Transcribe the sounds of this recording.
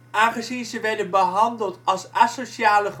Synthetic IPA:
ʔaːnχəzinzəʋɛɹdənbəɦɑndəlˠtɑlˠsasoʃaːləχ

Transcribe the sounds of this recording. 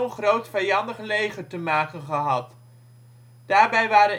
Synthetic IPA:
ənχrowtfɛjɑndəχlejχətəmaːkənχəɦɑt | d̥aːɹbɛjʋaːɾən

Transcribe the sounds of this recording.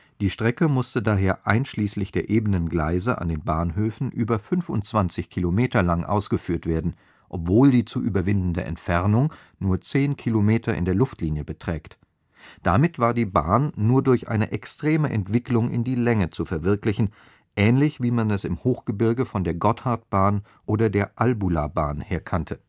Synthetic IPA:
d̥iːʃtʁ̥ɛkəmʊstədaːɦeːɐʔaɪnʃliːslɪçd̥eːɐʔeːbənənɡlaɪzɐʔa̰ndeːnbaːnɦøːfn̩ʔyːbɐfʏnfʊ̰ntt͡sv̥ant͡sɪçkʰilomeːtɐlaŋʔa̰ʊsɡ̥əfyːɐtv̥eːɐdn̩ | ʔɔpv̥oːldiːt͡suʔyːbɐvɪndn̩dəʔɛ̰ntfɛʁnʊŋ | nuːɐt͡seːnkʰilomeːtʰɐʔɪ̰ndeːɐlʊftliːnjəbətʁ̥ɛːkt | d̥amɪtv̥aːɐdiːbaːnːuːɐdʊɐçʔa̰ɪnə̰ʔɛkstʁ̥eːməʔɛ̰ntv̥ɪklʊŋɪ̰ndiːlɛŋət͡sufɛɐvɪɐklɪçn̩ | ʔɛːnlɪçv̥iːmanɛsɪmhoːxɡ̥əbɪɐɡəfɔndeːɐɡɔthaɐt̚b̥aːn | ʔoːdɐdeːɐʔalbulabaːnheːɐkʰantʰə

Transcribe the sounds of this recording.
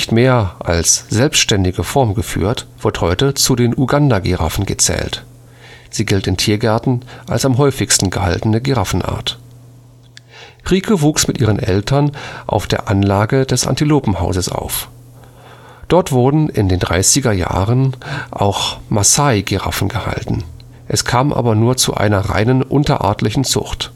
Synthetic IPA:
nɪçtmeːɐʔalsz̥ɛlpstʃtɛndɪɡəfɔɐmɡəfy̰ːɐtv̥ɪɐthɔʏtət͡sudeːnʔuɡandaɡeʁa̰fn̩ɡət͡sɛ̰ːlt | z̥iːɡɪltɪntʰiːɐɡɛɐtn̩ʔa̰lsamɦɔʏfɪçstn̩ɡəha̰ltən̩əɡeʁafn̩ʔa̰ːɐt | ʁiːkʰəvuːksmɪtʔiːʁənʔɛ̰ltʰɐnʔa̰ʊfd̥eːɐʔanlaːɡədɛsʔa̰ntiloːpm̩haʊzəsa̰ʊf | d̥ɔɐtv̥ʊɐdn̩ɪndeːndʁaɪsɪɡɐja̰ːʁənʔa̰ʊxmasaɪɡeʁa̰fn̩ɡəha̰ltn̩ | ʔɛskʰaːmʔa̰ːbɐnuːɐt͡sṵʔa̰ɪnɐʁa̰ɪnənʔʊntɐ̰ʔa̰ːɐtlɪçn̩t͡sʊ̰χt

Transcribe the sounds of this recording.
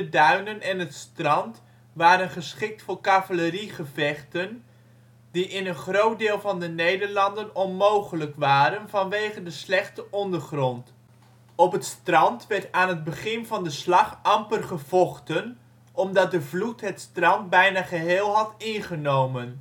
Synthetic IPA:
dədœɥnənɛnɦətstrɑnt | ʋaːɾənχəsχɪk̚tfʊːɹkavələriχəvɛχtən | diʔɪnənχrowt̚dɪːlˠvɑndənejdəɹlɑndənɔnmowχələkʋaːɾənvɑnʋejχəndəslɛχtəʔɔndəɹχrɔnt | ɔpɦətstrɑntʋɛɹtaːnɦəd̚bəχɪnvɑndəslɑχɑmpərχəv̥ɔχtən | ʔɔmdɑt̚dəvlutɦətstrɑnt̚bɛjnaːχəɦɪːlˠɦɑtɪnχənowmən

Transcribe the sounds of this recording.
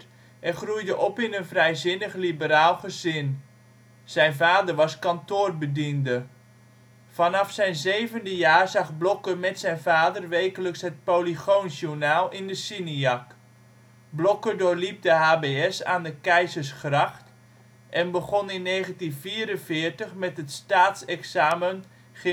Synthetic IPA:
ɛχrujdəʔɔpɪnənvrɛjzɪnəχlibəɾaːlˠχəzɪn | z̥ɛjnvaːdərʋɑskɑntoːrbədində | fɑnɑfsɛjnzejvəndəjaːrzɑχblɔkəmɛtsɛjnvaːdərʋejkələksɦət̚poliχownzunaːlˠɪndəsiniɑk | blɔkədʊːɹlip̚dəɦaːbeɛsa̰ːndəkɛjzəɹsχrɑχt | ʔɛnbəχɔnɪnːejχəntinviːɾənvɪːɹtəχmɛtɦətstaːtsɛksaːmən | χ

